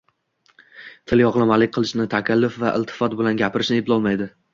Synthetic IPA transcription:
t̪ʰɪljɒʁlˠamalɪk̚ʲqʰɨlˠɪʃnɪt̪ʰakʲʰalːʊfvaʔɪ̰lˠt̪ʰɪ̥fɒt̪̚bɪlanɡʲapʰɪɾɪʃnɪeblɒlˠmajd̪ɪ

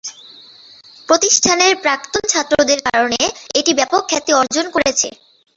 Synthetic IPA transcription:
pɾot̪iʃʈʰaneɾpɾak̚t̪ont͡ɕʰat̪ːɾod̪eɾkaɾoneeʈibɛpokʰːat̪iɔɾd͡ʑonkoɾet͡ɕʰḛ

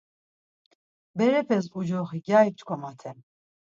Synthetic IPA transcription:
bɛɾɛpʰɛs̬ud͡ʒɔχiɡjait͡ʃʼkʰɔmat̪ʰɛm

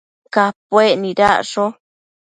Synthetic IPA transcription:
kapweʔnĩɾaʔʂo

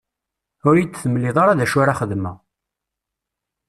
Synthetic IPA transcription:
ʊɾjit͡sːθəməlːiðˤɑɾaðæʃʊɾaχəðmæ

